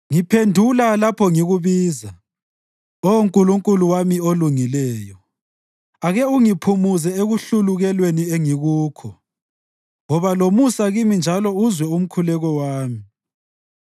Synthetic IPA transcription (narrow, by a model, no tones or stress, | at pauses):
ŋipʰendʱulalapʰɔŋiɣuβiːza | oŋkʼuluŋkʼuluwamioluŋilɛːjɔ | aɣɛuŋipʰumuzɛeɣuɬuluɣɛlwenieŋiɣuːkʰɔ | ŋɔβalomusaɣimind͡ʒʱalɔuzwɛum̩kʰulɛɣɔwaːmi